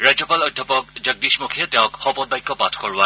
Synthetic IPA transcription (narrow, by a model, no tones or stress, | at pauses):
ɹad͡ʒɔpalɔdʱjɔpɔk̚d͡ʒəɡ̚dismokʰiɛtɛʊ̃kxɔbɔnbajkːɔpatʰkɔɹʊwa